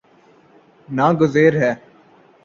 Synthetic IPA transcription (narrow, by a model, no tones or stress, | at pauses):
naːɡʊzeːɾɦɛː